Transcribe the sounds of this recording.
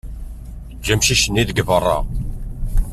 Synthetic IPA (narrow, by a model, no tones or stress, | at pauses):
d͡ʒːæmʃiʃənːiðəɡvərˤːɑ̰